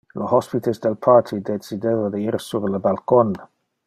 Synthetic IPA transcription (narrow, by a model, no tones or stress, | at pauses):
lohɔspitʰəsd̪əlpʰaɹtʰidesid̪eðodəiɾsuɾləbalkɔn